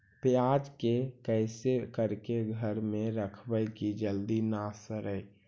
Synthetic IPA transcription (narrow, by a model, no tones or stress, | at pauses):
pjad͡ʒkekəɪsekəɾkeɡʱəɾmẽɾəkʰbəjkid͡ʒəld̪inasəɾəj